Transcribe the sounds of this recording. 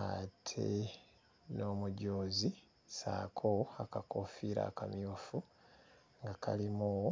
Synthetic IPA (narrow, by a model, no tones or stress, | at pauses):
atʰe | no̞ːmuɟoːzi | saːkʰoakakofiːɾa̰ːkamjoːfu | ŋɡakʰalimu